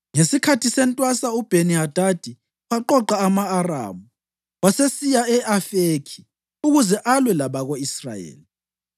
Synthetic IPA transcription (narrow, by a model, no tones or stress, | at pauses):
ŋesikʰatʰisɛntʼwasaub̥ʱeniɦad̥ʱad̥ʱi | waǃɔǃaːmaːra̰ːmu | wasesijaɛafekʰi̥ | uɣuzɛʔalwɛlaβaɣoisra̰jḛːli